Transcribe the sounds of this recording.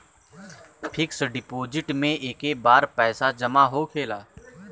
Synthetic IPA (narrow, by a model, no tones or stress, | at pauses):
pʰɪksɖɪpoːd͡ʒɪʈmẽʔeːkebaːɾpɛːsad͡ʒəmaɦoːkʰeːlaː